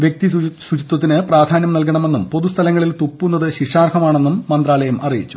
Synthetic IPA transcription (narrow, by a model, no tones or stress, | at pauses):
ʋjek̚t̪iswut͡ɕit̪wɐt̪ːinɨpraːd̪ʱaːnjɐmnɐlk̬ɐɳɐme̞nːumpo̞ðust̪ʰɐlɐŋːɐɭilt̪upːunːɐðɨɕiʂaːrkʰɐmaːɳe̞nːumːɐnd̪raːlɐjɐmʔɐ̰rijit͡ɕːu̥